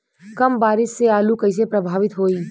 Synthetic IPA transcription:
kɐmbaːɾɪsːeaːlukəɪs̬epɾəbʱaːʋɪt̪ɦoːiː

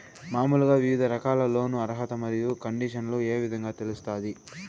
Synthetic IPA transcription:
maːmuluɡaːʋiʋid̪ʱɐɾɐkaːlɐlo̞ːnuɐɾɦɐt̪ɐmɐɾijukɐɳɖiːʂɐnloːe̞ːʋid̪ʱɐŋɡaːt̪elust̪aːd̪i

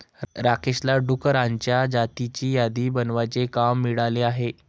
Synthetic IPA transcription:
ɾakʰeɕlaɖukəɾaɲt͡ɕjad͡ʑat̪it͡ɕiːjad̪iːbənʋat͡sekamːiɽaleaɦe

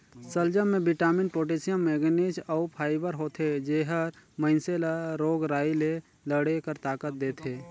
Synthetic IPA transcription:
səld͡ʒəmẽbɪʈaːmɪnʈ̚poːʈ̬eːsijəmːeːɡneːd͡ʒɔʊpʰaːɪbəɾɦoːt̪ʰed͡ʒeːɦəɾməɪnselɾoːɡɾaːile | ləɽekəɾt̪aːkət̪̚d̪eːt̪ʰeː

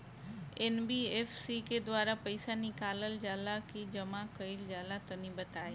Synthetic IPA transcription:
enbieːfsiked̪ʋaːɾapɐɪsanikaːləld͡ʑaːlakid͡ʑɐmakɐild͡ʒaːlat̪ɐnĩbɐt̪aːe

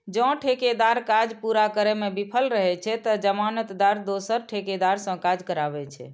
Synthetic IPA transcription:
d͡ʒɔ̃ʈʰeked̪aɾkad͡ʒpuɾakəɾɛmebipʰəlɾəɦɛt͡ʃʰɛt̪əd͡ʒəmanət̪d̪aɾd̪osəɾʈʰeked̪aɾsə̃kad͡ʒkəɾabɛt͡ʃʰɛ̰

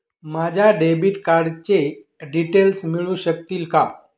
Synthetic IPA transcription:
mad͡ʑʱaɖebiʈkaɾɖt͡ɕe | ɖiʈelsmiɭũɕəkt̪iːlka

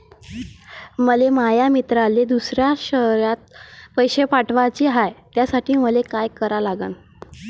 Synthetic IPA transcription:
məlemajamit̪ɾaled̪usɾjaɕəɾjat̪̚pəjɕepaʈʋat͡ɕiːɦajt̪jasaʈʰiːməlekajkəɾalaɡən

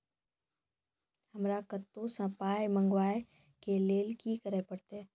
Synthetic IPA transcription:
həmɾakət̪ːosə̃paːjmə̃ŋɡwaːe | keleːlkikəɾepəɽt̪eɛː

